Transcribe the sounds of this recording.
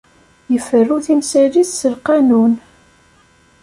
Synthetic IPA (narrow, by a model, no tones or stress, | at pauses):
jəfərːuθimsæliθsəlqɑnun